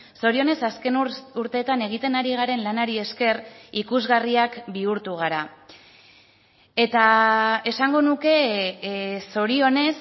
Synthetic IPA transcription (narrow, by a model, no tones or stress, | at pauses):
so̞ɾio̞ne̞saske̞nuɾt̪e̞ːt̪ane̞ɣ̞it̪e̞naɾiɣ̞aɾe̞nlanaɾie̞ske̞rikuzɣariakbiuɾt̪uɣ̞aɾa | e̞t̪ae̞saŋɡo̞nuke̞ | so̞ɾio̞ne̞s